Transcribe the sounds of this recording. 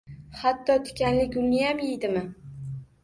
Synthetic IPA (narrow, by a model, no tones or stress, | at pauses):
hat̪ːɒt̪ʰʊ̥kʲanlɪkʲʊnnɪjamjejd̪ɪmɪ